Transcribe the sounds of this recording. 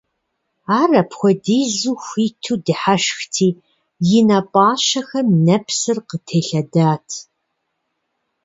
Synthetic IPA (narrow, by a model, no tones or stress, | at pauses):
aːrɐpxʷɔdiːzuːxʷiːtʰuːdɨħaʃxtʰiː | jɪnaːpʼaːʃɐxɐmnɐpʰsɨrqətʰeːɬɐdaːtʰ